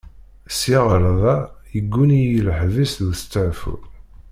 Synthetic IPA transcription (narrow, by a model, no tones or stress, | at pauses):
siʁɾˤðˤɑjəɡːunijələħvisðuθə̥t͡sːəʕfṵɾ